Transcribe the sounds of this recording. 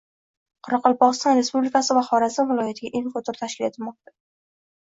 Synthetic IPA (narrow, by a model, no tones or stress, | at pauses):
qʰʊɾɑqʰɒlˠpɒʁɨst̪ɒnɾe̞spublɪkʰasɪvaχɒɾasɪvɪlˠɒjat̪ʰɪɡʲaʔeŋkʊt̪ʰɪɾt̪ʰaʃkʲɪle̞t̪ʰɪlmɒq̚t̪ḁ